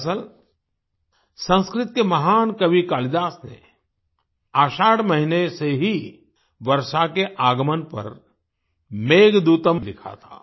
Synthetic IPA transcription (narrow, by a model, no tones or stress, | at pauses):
səl | sə̃nskɾɪt̪̚kemɐɦaːnkɐbikaːlɪd̪aːsnḛ | aːʃaːɽmɐɦineseɦi | ʋɐɾʃakeʔaːɡəmənpɐ̰ɾ | meːɡd̪uːt̪əmlɪkʰa̰t̪ʰa̰ː